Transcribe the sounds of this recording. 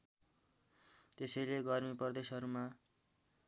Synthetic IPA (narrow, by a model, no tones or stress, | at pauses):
t̪esʌjleɡʌrmipʌrd̪esʌɾuma